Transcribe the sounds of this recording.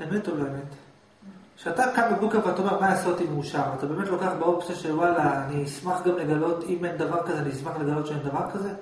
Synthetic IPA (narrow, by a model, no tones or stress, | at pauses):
emetoloeme̞t̪ | ʃeat̪akamabukaveat̪aomeʁmajasotimeuʃaʁat̪abe̞ːme̞t̪lo̞kaχbeoksaʃewalaːniːsmaχɡamle̞ɡalo̞t̪imend̪avaʁkazeanismaχle̞ɡalo̞tʃeend̪avaʁkaze̞